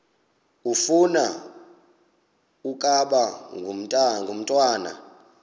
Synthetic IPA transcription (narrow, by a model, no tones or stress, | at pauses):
ufuna | ukʼaɓaŋʱum̩ʼŋɡʱum̩tʼwaːna̰